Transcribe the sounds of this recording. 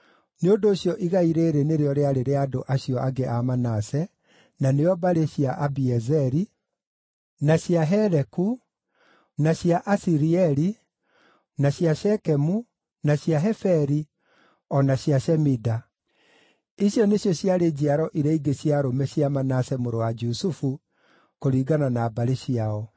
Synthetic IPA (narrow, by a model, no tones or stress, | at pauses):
neondoːɕjɔʔiɣaiɾeːɾeneɾeɔɾeaɾeɾeadoʔaɕjɔʔaɡeʔamanasɛ | naneɔbaɾeɕiaʔabiɛzɛɾi | naɕjaɦɛɾɛku | naɕiaʔasiɾiɛɾi | naɕjaʃɛkɛmu | naɕjaɦɛfɛɾi | ɔnaɕiaʃɛmida | iɕjɔneɕjɔɕjaɾed͡ʑiaɾɔʔiɾɛiɡeɕjaɾomɛɕjamanasɛmoɾowad͡ʒusufu | koɾiːɡananabaɾeɕiaɔ